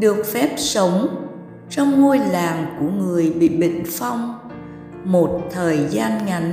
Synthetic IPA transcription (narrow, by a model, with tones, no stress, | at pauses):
ɗɨ˨˩ək̚fɛ˦˥p̚sə˨˦wŋ͡m | t͡ɕɔ˧wŋ͡mŋo˧jlaː˨˩ŋku˧˩əŋɨ˨˩əjɓḭ˧˨ɓḭ̈˧˨ŋ̟fa˧wŋ͡m | mo˨˩t̚t̪ʰəː˨˩jzaː˧nŋa˨˩